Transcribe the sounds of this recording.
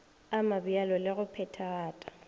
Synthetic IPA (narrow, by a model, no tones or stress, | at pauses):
amabialɔlɪɣʊpʰɛtʰaːtʼḁ